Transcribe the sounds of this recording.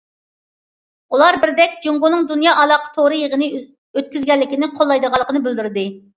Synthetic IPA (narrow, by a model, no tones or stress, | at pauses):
ulˠɑɾbɪɾd̪ɛkʲd͡ʒuŋɡunɨŋd̪unjɑːʔɑlˠɑqʰə̥t̪ʰoɾɨjəʁənɨ | øt̪̚kʲyzɡʲɛlːɪkʲinɪqʰolˠːɑjd̪əʁɑlˠəqʰənɨbyld̪yɾd̪ɨ